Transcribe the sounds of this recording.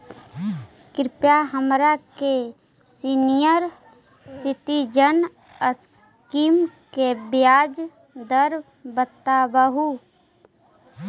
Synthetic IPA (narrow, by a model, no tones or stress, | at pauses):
kɾɪpjaɦəmɾake | siːnijəɾ | sɪʈid͡ʒən | əs | kimkebjaːd͡ʒ | d̪əɾ | bət̪ːabəɦu